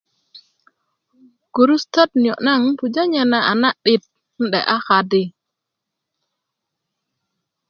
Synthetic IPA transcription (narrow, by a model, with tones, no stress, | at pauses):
ɡ̥u˨ɾu˦stɔ˦t̚njɔ˨ʔna˦˨ŋpu˨d͡ʒa˦ɲɛ˨na˨ʔa˨na˦ɗɪ˨t̚ | n̩˦ɗɛ̰˨ʔa˦ka˨dɪ˦